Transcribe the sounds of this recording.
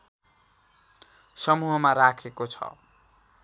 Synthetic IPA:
sʌmuɦʌmaɾakʰekot͡sʰʌ̰

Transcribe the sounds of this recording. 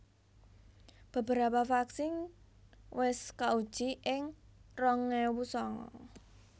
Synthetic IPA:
b̥ə̤b̥ə̤ɾapafaksɪŋ | wɪskaud̥ʒ̥iʔɪŋrɔŋɛwusɔŋɔ̰

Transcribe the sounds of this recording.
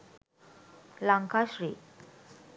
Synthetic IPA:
laŋkʰaɕɾiː

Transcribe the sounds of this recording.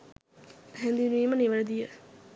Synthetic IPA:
ɦɛnd̪iniːməniʋələd̪ijə

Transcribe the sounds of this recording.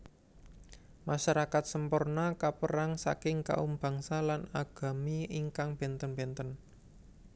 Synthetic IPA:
maʃaɾakat̪̚səmpʊrnakapəɾaŋsa̰kɪŋka̰umb̥ä̤ŋsalanaɡ̥a̤miiŋkaŋb̥ɛ̤nt̪ənb̥ɛ̤nt̪ən

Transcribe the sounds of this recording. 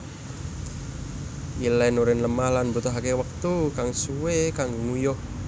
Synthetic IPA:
ʔilɛnuɾɪnləmahlanbut̪ɔɦakewək̚t̪ukaŋsuwekaŋŋujʊh

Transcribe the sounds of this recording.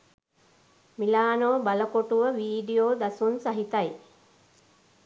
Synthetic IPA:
milaːnoːbaləkoʈuʋəʋiːɖijoːd̪asunsaɦit̪aj

